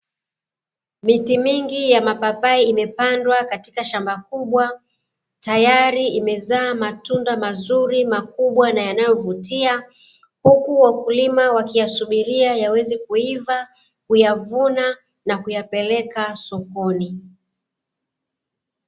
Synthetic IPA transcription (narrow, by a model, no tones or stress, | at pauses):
mitimiŋɡijamapapaiimɛpandwakati̥kaʃambak̚uɓwa | tajaɾiimɛzaːmatundamazuɾimakuɓwanajanajɔvutia | hukuwakulimawakijasuɓiɾiajawɛzikuiva | kujavuna | nakujapɛlɛkasɔkɔni